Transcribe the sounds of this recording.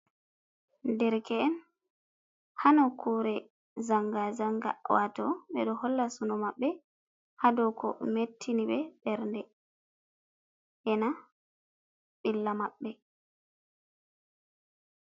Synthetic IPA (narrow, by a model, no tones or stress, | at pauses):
ndɛɾkɛɛn | hanɔkuɾɛ | zaŋɡazaŋɡa̰wa̰tɔɓɛ̰ɗɔhɔlːasunɔmaɓːɛ | hadɔkɔ̰metʰːiniɓɛɓɛɾndɛ | ʔɛna | ɓilːamaɓːɛ